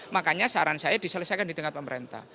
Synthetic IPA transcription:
makaɲasaɾansajad̥i̤sələsajkandit̪əŋat̪̚pəməɾent̪a̰h

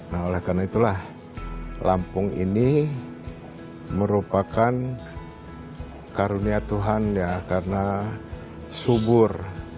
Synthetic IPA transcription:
naolɛhkarnait̪ulah | lʔa̰mpʊŋḭni | məɾupakan | kaɾuniat̪uɦanjakarna | subʊr

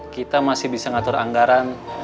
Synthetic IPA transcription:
kit̪amasɪhbisaŋat̪ʊɾa̰ŋɡaɾan

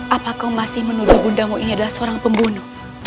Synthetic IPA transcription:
ʔapakamasɪhmənuduhbundaŋwaʔiniadalahsəoɾaŋpəmbunu

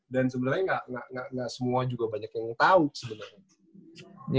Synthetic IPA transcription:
dans̬əbənarɲaŋɡaʔŋaʔŋɡaʔŋɡaʔsəmuad͡ʒuɡabaɲakjaŋt̪ausəbənarɲa | ɲ

